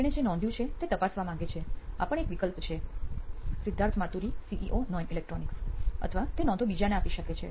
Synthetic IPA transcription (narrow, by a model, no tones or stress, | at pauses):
ñed͡ʒenɔ̃nd̪ʱjũt͡ʃʰet̪et̪əpasʋamãɡet͡ʃʰea̰pəɳekʋikəlpt͡ʃʰe | sɪd̪ʱːaɾt̪ʰmat̪uɾisiʔiʔonɔinilek̚ʈɾɔniksə̰t̪ʰəʋat̪enɔ̃nd̪obid͡ʒaneapiʃəket͡ʃʰḛ